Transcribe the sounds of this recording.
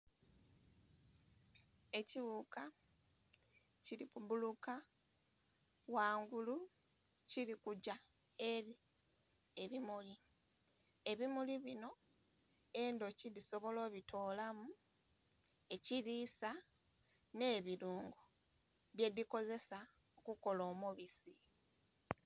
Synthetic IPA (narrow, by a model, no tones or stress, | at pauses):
e̞ciβuka | ciɾikubuluka | waːŋɡulu | ciɾikuɟa | e̞ɾi | e̞βimuli | e̞βimuliβino̞ | e̞ndo̞ciðiso̞βo̞lo̞ːβitʰo̞ːlamu | e̞ciɾisa | ne̞ːβiɾuːŋɡu | βje̞ðiko̞ze̞sa | okuko̞lo̞ːmuβisi